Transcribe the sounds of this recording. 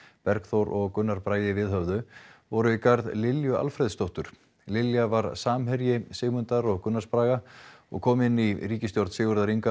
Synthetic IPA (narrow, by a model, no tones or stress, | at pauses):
pɛɾkθowɾɔɣkʏnːaɾpɾaːjɪvɪðɦœvðʏvɔɾʏikaɾðlɪljʏa̰lfɾɛjðst̪owht̪ʏɾ̥ | lɪljavaɾsaːmɦɛɾjɪsɪːɣmʏnt̪aɾɔɣkʏnːaɾspɾaːɣaɔ̰ɣkʰɔːmɪnːiriːcɪst̪jɔwɾt̪sɪːɣʏɾðaɾiŋka